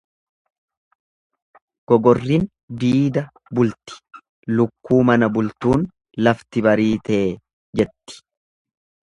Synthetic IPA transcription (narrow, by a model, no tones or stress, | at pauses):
ɡ̥ɔɡɔrːin | d̪iːd̪ɐ | bʊlt̪ɪ̥ | lʊkːuːmɐnɐbʊlt̪uːn | lɐft̪ɪbɐɾiːt̪eː | d͡ʒɛt̪ːɪ̥